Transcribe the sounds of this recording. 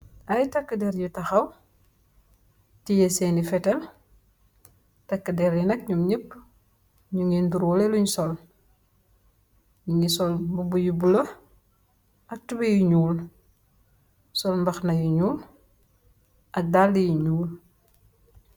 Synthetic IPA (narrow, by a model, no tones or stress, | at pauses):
ʔɐjtɐkːədɛɾjutɐxɐw | tijɛsɛːnifɛtɛl | tɐkːdɛɾjinɐk̚ɲumɲəpː | ɲuŋinduɾwɔlɛluɲsɔl | nuɲisɔlmbubujubulɐ | ɐk̚tubejiɲuːl | sɔlmbɐxnɐjuɲuːl | ʔɐk̚dalːijiɲuːl